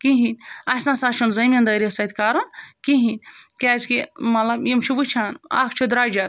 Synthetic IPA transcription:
kiɦinʲɐsnãsaːt͡ʃʰunzɐmʲɐnd̪ɐjɾesɐt̪ʰʲkaːɾɐnkiɦinʲkʲeːd͡ʒkimɐlɐbjimt͡ʃʰubɨt͡ʃʰaːna̰ːkʰt͡ʃʰud̪ɾaːd͡ʒɐɾ

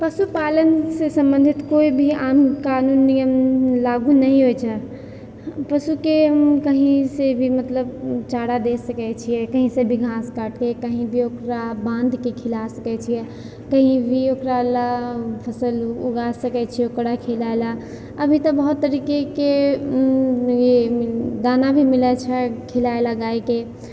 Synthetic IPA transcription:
pəsupalənsesə̃mbə̃nd̪ʱit̪koibʱiamkanunːijəmlaɡunəɦĩɦojt͡ʃʰɛ | pəsukemkəɦĩsebʱimət̪ləbt͡ʃaɽad̪esəkɛt͡ʃʰijɛkəɦĩsẽbʱiɡʱãskaʈkekəɦĩbʱiokɾabãnd̪ʱkekʰilasəkɛt͡ʃʰijɛ | kəɦĩbʱiokɾaləpʰəsəlṵɡasəkɛt͡ʃʰiɛokɽakʰelaela | əbʱit̪əbəɦut̪ːəɾikeke | ed̪anabʱimilɛt͡ʃʰɛkʰilaelaɡaeke

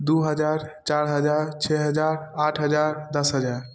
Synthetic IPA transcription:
d̪uɦəd͡ʒaɾt͡ʃaɾɦəd͡ʒaɾt͡ʃʰɛɦəd͡ʒaɾaʈʰɦəd͡ʒaɾd̪əsɦəd͡ʒaɾ

